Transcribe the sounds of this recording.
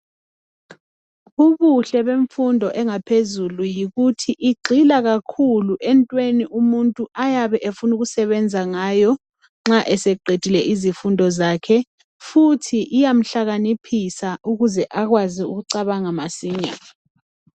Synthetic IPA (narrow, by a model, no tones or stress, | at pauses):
uβuɬɛɓeɱfundʱɔʔɛŋapʰezulujiɣutʰiʔiɡ͡ǀʱilaɣakʰuluʔɛntʼweniʔumuntʼuajaβɛʔefunuɣusɛβɛnd͡zʱaŋaːjɔ | ŋ͡ǁaʔɛsɛɡ͡ǀʱed̥ʱilɛʔizifundʱɔzaːkʰɛ | futʰiʔijam̩ɬaɣanipʰisaʔuɣuzɛʔaɣwaziṵɣuǀaβaŋamasiːɲa̰